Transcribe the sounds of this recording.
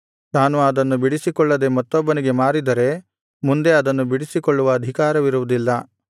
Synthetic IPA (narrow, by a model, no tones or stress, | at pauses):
naːnuɐd̪ɐnːubiɽisikɔɭːɐd̪e̞mɐt̪ːɔbːɐniɡe̞maːɾid̪ɐɾe̞ | mund̪e̞ɐd̪ɐnːubiɽisikɔɭːuʋɐːd̪ʱikaːɾɐʋiɾuʋud̪ilːɐ